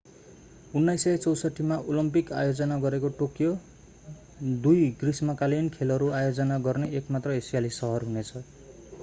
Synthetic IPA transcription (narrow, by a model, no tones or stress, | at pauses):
unːajsʌjt͡sʌwsʌʈːimaʔolʌmpika̰jod͡zʌnaɡʌɾekoʈokjo | d̪ujɡrismʌkalenkʰelɦʌɾuajod͡zʌnaɡʌrneekmat̪rʌesijalisʌɦʌrɦunet͡sʰʌ